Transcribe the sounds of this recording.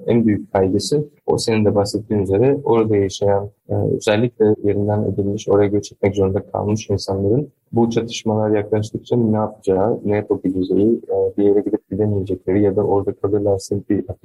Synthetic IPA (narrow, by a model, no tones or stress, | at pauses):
ænbyjyc̚kʰajɡɯsɯ | o̞̰se̞nind̪ɛbasɛt̪ʰːiːnyze̞ɾɛo̞ɾad̪ajaʃajan̰ːø̰zɛlʲːiclʲɛje̞ɾind̪æne̞̰d̪ilʲmiʃo̞ɾajaɟɛt͡ʃʰɛ̥t̪mɛczo̞ɾund̪akʰa̰lˠmɯʃinsanlˠaɾɯn | but͡ʃʰat̪ʰɯ̥ʃmalˠaɾjaklˠaʃ̬t̪ʰɯk̚t͡ʃʰanɛapʰɯd͡ʒaːɯnet̪ʰobilʲid͡ʒejid̪ije̞ɾɛɟid̪ip̚ɟid̪emije̞d͡ʒɛclʲeɾijad̪aʔo̞ɾd̪akʰab̪ˠɯɾlʲansinbiat̪